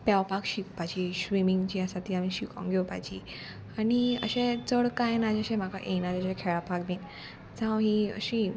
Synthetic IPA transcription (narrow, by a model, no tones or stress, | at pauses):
pjaʋpakɕikpad͡ʑiɕʋimiŋɡt͡ɕiasat̪iːamiɕikã̰ŋɡʱewpajd͡ʑiː | aɽiə̰ɕẽt͡səɽkajnad͡ʑəɕẽm̤aka̰ʔenad͡ʑaɕẽkʰeɭapaɡmin | d͡zãwɦiə̰ɕi